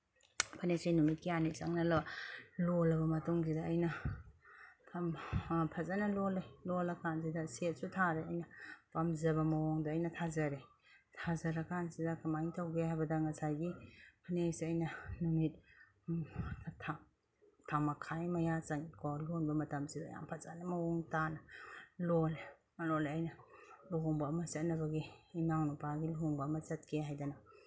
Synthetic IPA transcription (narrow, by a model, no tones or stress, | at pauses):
pʰɐnesinumit̚kijanit͡ʃɐŋnɐlɐlolɐbɐmɐtuŋs̬idɐːjnɐ | pʰɐmpʰɐzɐnɐlolelolɐkansidɐset̚sutʰaɾeɐjnɐpɐmzɐbɐmɐwɔŋdɐːjnɐtʰazɐɾe | tʰazɐɾɐkansidɐkamaiŋtʰɐwɡehajbɐdɐŋɐsajɡikʰɐnesiɐjnɐnumit̚ | tʰa | tʰamɐkʰajmɐjat͡ʃaŋkʰɔlonbɐmɐtɐmsidɐja̰ŋpʰat͡ʃanɐmɐwɔŋtanɐlole | ɐloleɐjnɐluɦɔŋbɐːmɐsɐt̚nɐbɐɡiimaŋnupaɡiluɦɔŋbɐːmɐt͡ʃɐt̚kʰeɦajdɐnɐ